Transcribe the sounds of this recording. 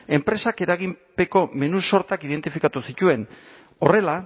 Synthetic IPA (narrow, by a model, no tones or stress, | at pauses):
e̞mpɾe̞sake̞ɾaɣ̞impe̞ko̞me̞nuso̞ɾt̪akið̞ent̪ifikat̪usit̪ue̞n | o̞re̞la